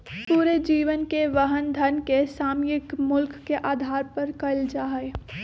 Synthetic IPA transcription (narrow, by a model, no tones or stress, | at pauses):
puːɾed͡ʒiːʋənkeʋəɦənd̪ʱənkesaːmjɪkmʊlkːeʔaːd̪ʱaːɾpɐɾkɐld͡ʒaːɦe